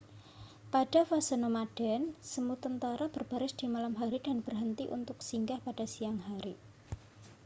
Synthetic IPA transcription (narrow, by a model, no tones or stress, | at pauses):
paɖafasənomaɖ̥ɛnsəmut̪ənt̪aɾab̥ərb̥a̤ɾɪsd̥imalamɦaɾidanb̥ərɦənt̪iʔṵnt̪ʊksiŋɡahpad̥a̤sijaŋɦaɾi